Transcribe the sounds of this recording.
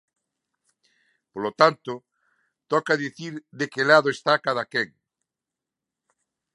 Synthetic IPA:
polot̪ant̪ʊ | t̪ɔkaðiθiɾðekelaðoest̪akaðakeŋ

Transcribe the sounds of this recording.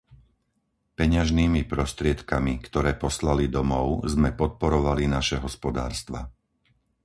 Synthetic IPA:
pɛɲaʒniːmipɾɔst̪ɾɪɛt̪kamikt̪ɔɾɛːpɔslalid̪ɔmɔʊzmɛpɔt̪̚pɔɾɔʋalinaʃɛɦɔspɔd̪a̰ːɾst̪ʋa

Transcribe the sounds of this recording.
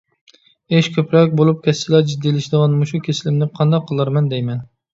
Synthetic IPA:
eʃkʲʰøpɾɑk̚ʲbolˠup̚kʲʰɛsːɪlɛd͡ʒid̪ːilɪʃd̪ɨʁɑnmuʃukʲʰesɪlɪmnɪqʰɑnd̪ɑqʰːəlˠɑɾmɛnd̪ɛjmɛn

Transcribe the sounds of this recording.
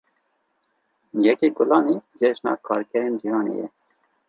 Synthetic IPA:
jɛkiɡʊlɑːniːʒeʒnɑ̰ːkʰɑːɾkɛɾeːnd͡ʒihɑːnḛːjɛ̰

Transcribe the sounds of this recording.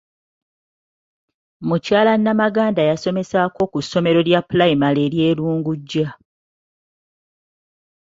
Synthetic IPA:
mucaːlanːamaɡaːndajaso̞me̞saːko̞kusːo̞me̞ɾo̞ljapulajimale̞ːɾje̞ːluːŋɡuɟːa

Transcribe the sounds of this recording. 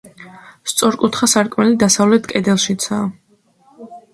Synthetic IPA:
st̪sʼɔɾkʼut̪ʰχasaɾkʼmɛlid̪asavlɛt̪ʰkʼɛd̪ɛlˠʃit̪sʰaː

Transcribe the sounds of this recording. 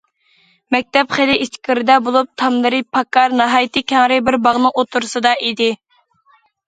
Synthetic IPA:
mɛk̚ʲt̪ɛpχelɪʔiʃt̪ʰkʲʰɪɾɪd̪ɛbolˠup̚t̪ʰɑmlˠɨɾɨpʰɑkːɑɾnɑɦɑjt̪ɨkʲʰɛŋɾɪbɪɾbɑʁnɨʔot̪ʰuɾsɨd̪ɑʔid̪ɪ

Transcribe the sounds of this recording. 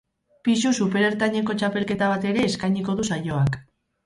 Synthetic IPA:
pisusupe̞ɾe̞ɾt̪aɲeko̞t͡ʃape̞lke̞t̪aβ̞at̪e̞ɾe̞ːskajɲiko̞ðusajo̞ak

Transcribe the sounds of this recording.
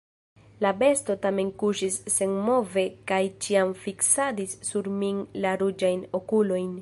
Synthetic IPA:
labe̞sto̞tame̞nkuʃisːe̞nmo̞ve̞kajt͡ʃiamfiksadisːuɾmiŋlaɾud͡ʒajnokulo̞jn

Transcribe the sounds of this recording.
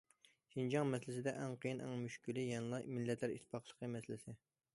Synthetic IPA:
ʃind͡ʒɑŋmɛslɪsɪd̪ɛʔɛŋqʰəjinʔɛŋmyʃkʲylɪjɛnlˠɑjmilːɛt̪ʰlæɾḭt̪ʰːɪ̥pɑqlˠəqʰəmɛslɪsɪ

